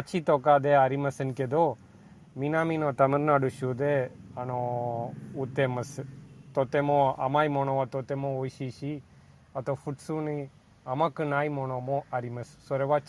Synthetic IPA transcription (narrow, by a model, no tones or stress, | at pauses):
ɐt͡ʃʰit̪okad̪eaɾimɐsənked̪o | minaːminõt̪ɐməɾnaɖuʃud̪eɐno | ut̪emɐst̪ot̪emõɐ̰maːjmonoat̪ot̪emõoːjʃiʃi | ɐt̪ofʰuʈsuni | ɐmakɨnaːimonomõaɾimɐssoɾeʋat͡ʃ